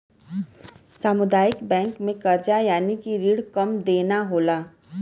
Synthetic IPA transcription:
saːmʊd̪aːjɪkbɛ̃ːŋkmẽkɐɾd͡ʒajaːnikiɾiːɽkɐmd̪eːnaɦoːlaː

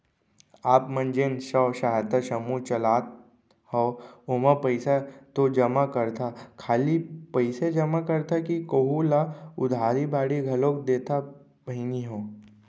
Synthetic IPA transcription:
aːpmɐ̃nd͡ʒeːnʃɔːʃaːɦt̪əʃɐmut͡ʃɐlaːt̪̚ | hɔːoməpəɪsat̪od͡ʒɐmakɐɾt̪ʰakʰaːlipɐɪsed͡ʒɐmakɐɾt̪akikoɦulaʊd̪ʱaːɾibaːɽiɡʱɐloːk̚d̪eːt̪a | b̥ʱɐɪniɦoː

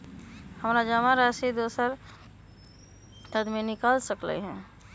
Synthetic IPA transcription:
həmɾad͡ʒəmaɾasid̪osəɾ | t̪əd̪menɪkalsəklə̰ɦɛ̃

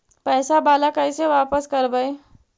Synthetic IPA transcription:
pɛːsabaːlakɐɪseʋaːpəskɐɾbəe

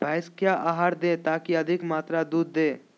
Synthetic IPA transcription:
bʱaːɪskjaːʔaːɦaːɾd̪ẽːt̪aːkiɐd̪ʱɪkmaːt̪ɾad̪uːd̪ːẽː

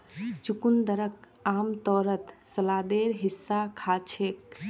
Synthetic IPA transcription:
t͡ʃukund̪əɾək | amt̪ɔːɾət̪səlad̪eɾɦisːakʰat͡ʃʰek

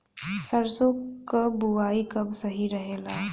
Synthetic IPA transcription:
səɾsokabuʋaːikɐbsɐɦiɾəɦeːlaː

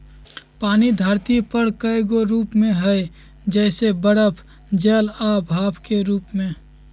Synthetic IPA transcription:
paːnid̪ʱaːɾt̪ipəɾkəeɡoɾuːpmẽɦɛ | d͡ʒɛːsebəɽəpʰ | d͡ʒeːlabʱaːpʰkeɾuːpmẽ

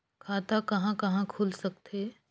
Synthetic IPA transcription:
kʰaːt̪akɐɦãkɐɦãkʰulsɐk̚t̪eː

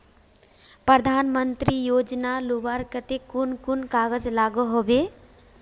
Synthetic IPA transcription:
pɾəd̪ʱanmənt̪ɾijod͡ʒnalubaɾkət̪ekunkunkaɡəd͡ʒlaɡoɦobe

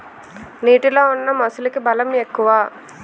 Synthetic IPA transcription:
niːʈilo̞ːunːɐmɐsulɐkibɐlɐmekːuʋaː

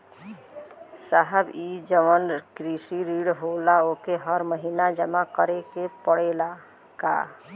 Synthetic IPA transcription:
saɦəbid͡ʒəʋənkɾisiɾiɽɦolaokeɦəɾməɦinad͡ʒəmakəɾekepəɽela | ka̰

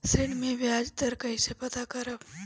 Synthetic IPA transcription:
sɪɽmẽʋjaːd͡ʒt̪əɾkɐɪsepɐt̪akɐɾəʋ

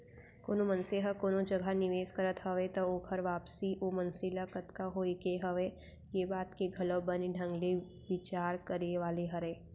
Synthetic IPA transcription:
koːnomɐ̃nseɦəkoːnod͡ʒɐɡʱanɪʋeːskɐɾət̪ɦɐʋet̪ookʰɐɾʋaːpsiʔoːmɐnsɪlakɐt̪kaɦoːikeɦɐʋe | jeːbaːt̪keɡʱɐləbɐniɖʱɐ̃ŋɡle | ʋɪt͡ʃaːɾkəɾeʋaːleɦɐɾeː

